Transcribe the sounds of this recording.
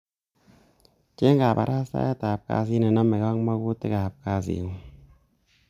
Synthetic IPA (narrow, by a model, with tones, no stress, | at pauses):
t͡ʃe˦ŋka˨pa̰˧ɾa˦sa̰˦je˦t̪a˨p̚ka̰˧s̬i˦na˨na˦mːe˨ka˦ŋma˧˦ku˦t̪e˦ka˨p̚ka˧sḭ˨u˧˦